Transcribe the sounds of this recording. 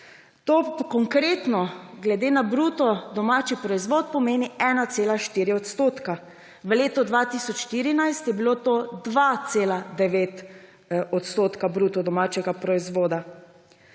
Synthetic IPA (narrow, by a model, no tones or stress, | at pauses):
t̪oːkɔŋkɾeːt̪nɔɡlɛd̪eːnabɾuːt̪ɔd̪ɔmaːt͡ʃipɾɔizʋoːt̪̚pɔmeːniɛːnat̪seːlaʃt̪iːɾiɔt̪st̪oːt̪ka | ʋəleːt̪ɔd̪ʋat̪isɔt͡ʃʃt̪iːɾinajst̪jɛbilot̪od̪ʋat̪seːlad̪ɛʋeːt̪ | ɔt̪st̪oːt̪kabɾuːt̪ɔd̪ɔmaːt͡ʃɛɡapɾɔizʋoːd̪a